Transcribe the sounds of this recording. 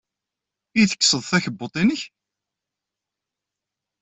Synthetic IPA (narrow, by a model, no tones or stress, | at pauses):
iθə̥kːsəðˤθæçəbːot̪ˤinəç